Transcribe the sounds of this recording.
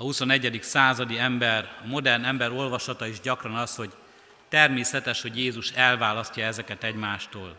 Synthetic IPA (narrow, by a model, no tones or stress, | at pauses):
ɒhuso̞nɛɟːɛd̪iksaːzɒd̪iɛmbɛrɒmo̞d̪ɛrnɛmbɛɾo̞lvɒʃɒt̪ɒiʒɟɒkrɒnɒsho̞ɟ | t̪ɛrmeːsɛt̪ɛʃho̞ɟjeːzuʃɛlvaːlɒst̪ːɒɛzɛkɛt̪ɛɟmaːʃt̪oːl